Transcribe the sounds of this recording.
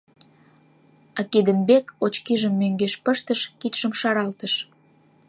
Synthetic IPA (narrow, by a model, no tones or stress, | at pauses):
ɑked̪ənbekot͡ɕkiʒəmːøŋɡeʃpəʃt̪əʃkit̪ʃəmʃɑɾɑlt̪əʃ